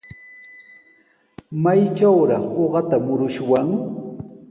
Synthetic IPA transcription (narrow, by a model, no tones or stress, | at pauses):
majt͡ʃawɾɑχoɢɑt̪amʊɾʊʃwaŋ